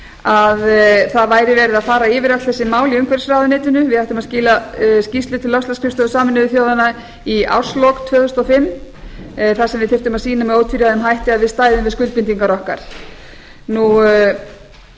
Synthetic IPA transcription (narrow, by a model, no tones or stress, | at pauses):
aðθaðvaːjɾɪvɛːɾɪðaðfaːɾaɪːvɪɾak̪t̪θɛsːɪmaːwliʏmkʰvɛɾ̥sɾaːwðʏnɪːt̪ʏnʏvɪðhajht̪ʏmaðsciːlascisʏt̪ʰɪlːœfst̪askʰɾɪfst̪ɔðʏsaːmɪnʏðɪθjoːwðana | ia̰w̥slɔkt̪ʰvœːðʏst̪ɔfɪmː | θasɛmvɪðθɪft̪ʏmaðsiːnamɛðoːwt̪ʰfiɾjaðɛmɦajht̪ɪaðvɪðst̪aːjðʏmvɪðskʏlt̪̚pɪnt̪iŋkaɾɔhka̰ɾ̥ | nu